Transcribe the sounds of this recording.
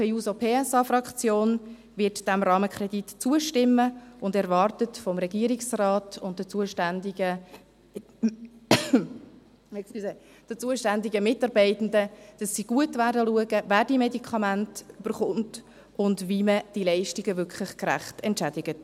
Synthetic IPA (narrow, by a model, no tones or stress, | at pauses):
pʰɛuːsopʰeːɛsɑfɾɑkt͡sjoːn | ʋɪtd̥ɛmɾɑːməkχɾɛditt͡suəʃtɪmːəʊndɛɾvɑɾtətfɔmɾɛɡiəɾɪksrɑːtʊntdət͡suəʃndə | ɛsisɛ | d̥ət͡suəʃtændɪɡəmɪtɑɾbɛɪtn̩dəd̥ɑsːiɡ̥uətvæːɾdəluəɡəvæːɾd̥iːmedikʰɑmæntyb̥əɾχʊnt | ʊndviməd̥ilɛɪʃtiɡəvʏkʰχlɪχkɾæ̰χtɛntt͡ʃæd̥ɪɡ̥ət